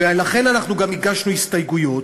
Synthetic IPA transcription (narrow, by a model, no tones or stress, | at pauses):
elaχe̞nanaχnuɡamiɡaʃnuhist̪ajɡujo̞t̪